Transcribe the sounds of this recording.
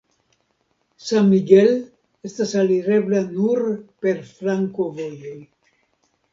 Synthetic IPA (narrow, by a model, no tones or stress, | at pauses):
sammiɡel | est̪asaliɾeblanuɾpeɾfɾaŋkovojoj